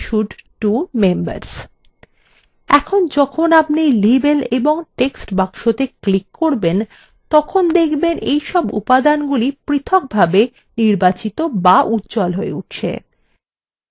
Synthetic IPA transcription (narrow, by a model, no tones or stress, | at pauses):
ʃuɖʈumembə̰ɾs | ɛkʰond͡ʑɔkʰonapnijlibeleboŋʈeksʈbaŋʃot̪eklikːoɾben | t̪ɔkʰond̪ekʰbenʔejʃɔbṵpad̪anɡulipɾit̪ʰok̚bʱabe | niɾbat͡ɕit̪obaʔut̪ːd͡ʑɔlɦoeuʈ̚ʰt͡ɕʰḛ